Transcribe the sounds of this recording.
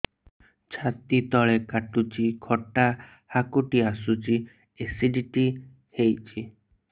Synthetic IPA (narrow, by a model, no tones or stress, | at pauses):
t͡ʃʰat̪it̪ɔɭekaʈut͡ʃikʰɔʈa | hakuʈiasut͡ʃi | esiɖiʈi | hejt͡ʃʰi